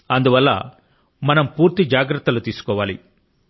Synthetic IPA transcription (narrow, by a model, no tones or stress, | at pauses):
ɐnd̪uʋɐlːɐ̰ | mɐnɐmpuːɾt̪id͡ʒaːɡɾɐt̪ːɐlut̪iːsu̥kɔːʋaːlḭ